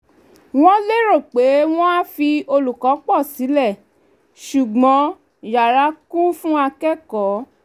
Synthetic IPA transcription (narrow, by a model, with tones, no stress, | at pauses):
w̃ɔ̃˦le˦ɾo˦˨k͡pe˨˦w̃ɔ̃˦a˦fi˧o˧lu˨kɔ˨˦k͡pɔ˦˨si˨˦lɛ˦˨ | ʃu˨ɡ͡bɔ̃˨˦ | ja˨ɾa˨˧˦ku˦fũ˦a˧kɛ˦kɔ˨˦